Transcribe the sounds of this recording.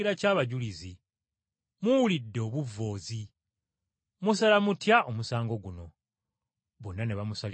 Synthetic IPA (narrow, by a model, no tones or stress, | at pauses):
iɾacaːβaɟulizi | muwulidːo̞ːβuvːo̞ːzi | musalamutjaʔomusaːŋɡo̞ɡuno̞ | βonːaneβamusal